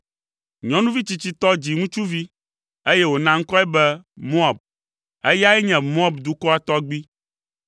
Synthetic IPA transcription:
ɲɔ̃˦nũ˦vi˦t͡ɕi˨t͡ɕi˦t̪ɔ˦d͡ʑi˨ŋũ˦t͡ʃu˦vi˦ | e˦jɛ˦wo˨nã˦ŋ̩˦kɔ˦ɛ˦bɛ˦mõ˦a˨b̚ | e˦ja˦ɛ˦ɲɛ̃˨mõ˦a˨bd̪u˨kɔ˦a˦˨t̪ɔ˦ɡ͡bi˦

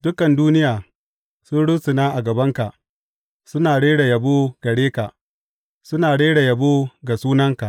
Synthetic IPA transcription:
d̥ʊ˦kɐ˨nduː˦nɪ˦jaː˨ | sʊ˦nɽʊ˦sɪ˨naː˦ʔa˨ɡɐ˨bɐ˦ŋka˨ʔ | sʊ˦naː˨ɽeː˦ɽe˨jɐ˨boː˦ɡ̥ɐ˨ɽeː˦ka˨ʔ | sʊ˦naː˨ɽeː˦ɽe˨jɐ˨boː˦ɡa˨suː˦nɐ˦ŋka˨ʔ

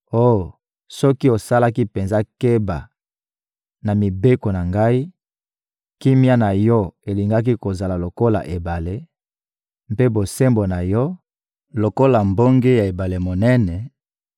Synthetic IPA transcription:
o˦jo˨ | sɔ˦ki˦o˨sa˦la˦ki˦pe˨nza˦ke˦ba̰˨ | na˨mi˨be˦ko˨na˨ŋɡa˦i˦ | ki˦mja˦na˨jɔ˦e˨li˨ŋɡa˦k̬i˦ko˨za˨la˨lo˨ko˦la̰˨ʔe˨ba˨le˦ | mpe˦bo˨se˦mbo˨na˨jɔ˦ | lo˨ko˦la˨mbo˦ŋɡe˦ja˨e˨ba˨le˨mo˨nɛ˦nɛ˨

